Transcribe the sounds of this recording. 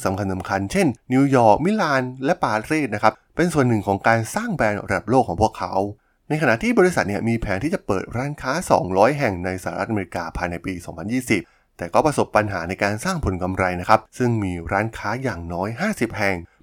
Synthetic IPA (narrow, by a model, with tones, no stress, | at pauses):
sa˩˦mkʰa˧nsa˨˩˦mkʰa˧nt͡ɕʰe˥˩nːi˧wjɔː˨˩k̚mi˦˥laː˧nlɛ˦˥paː˧ɾeː˥˩t̪̚na˥kʰa˦˥p̚ | pe˧nsu˨˩ənːɯ˨˩ŋkʰɔː˩˦ŋkaː˧nsaː˥˩ŋbɛː˧nɾa˧da˨˩p̚loː˥˩kʰɔː˩˦pʰu˥˩əkʰːa˦˥w | na˧jkʰa˧na̰˨t̪ʰiː˥˩bɔː˧ɾi˦˥sa˨˩t̪̚ni˥˩ɐmiː˧pʰɛː˩˦nt̪ʰi˥˩t͡ɕa˨˩pɤː˨˩t̪̚ɾaː˦˥nkʰaː˦˥sɔ̰ː˩˦ŋɾɔː˦˥jɦɛ˨˩ŋna˧jsa˧a˧ɾa˦˥ʔa˧me˧ɾi˧kaː˧pʰaː˧jna˧jpiː˧sɔː˩˦ŋpʰa˧njiː˥˩si˨˩p̚ | t̪ɛː˨˩kɔː˥˩pɾa˧so˨˩pːa˧nɦaː˩˦na˧jkaː˧nsaː˥˩ŋpʰo˨˩˦nka˧mɾa˧jna˦˥kʰa˦˥p̚sɯ˥˩ŋmiː˧ɾaː˦˥nkʰaː˦˥jaː˨˩ŋnɔː˦˥jɦaː˥˩si˨˩p̚hɛ˨˩ŋ